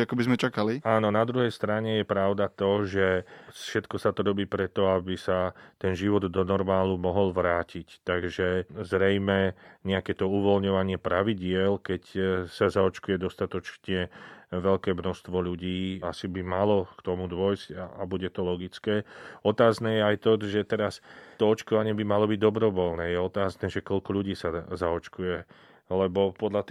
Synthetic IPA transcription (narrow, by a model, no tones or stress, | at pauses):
akɔbizmɛt͡ʃakaliaːnɔnad̪ɾuɦɛjst̪ɾaɲɛjɛpɾaʊd̪at̪ɔʒɛʃɛt̪kɔsat̪ɔɾɔbiːpɾɛt̪ɔabisat̪ɛnʒiʋɔd̪d̪ɔnɔɾmaːlumɔɦɔlʋɾaːcict̪aɡʒɛzɾɛjmɛɲɛakɛːt̪ɔuʋɔlɲɔʋaɲɪɛpɾaʋiɟɪɛlkɛcsazaɔt͡ʃkujɛd̪ɔst̪at̪ɔt͡ʃɲɛʋɛʎkɛːmnɔst̪ʋɔʎuɟiːasibimalɔkt̪ɔmud̪ʋɔjscaabuɟɛt̪ɔlɔɡit͡skɛːɔt̪aːznɛːjɛajt̪ɔʒɛt̪ɛɾast̪ɔɔt͡ʃkɔʋaɲɪɛbimalɔbiɟ̚d̪ɔbɾɔʋɔlnɛːjɛɔt̪aːznɛːʒɛkɔlkɔʎuɟiːsazaɔt͡ʃkujɛ | lɛbɔpɔd̪ʎat̪